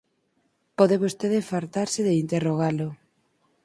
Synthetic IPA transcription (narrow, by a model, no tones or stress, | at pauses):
poðeβost̪eðefaɾt̪aɾsɪðeint̪eroɣ̞alʊ